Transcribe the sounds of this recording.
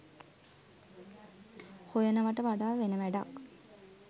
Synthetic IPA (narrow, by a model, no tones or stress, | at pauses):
hojənəʋəʈəʋaɖaːʋenəʋæɖa̰k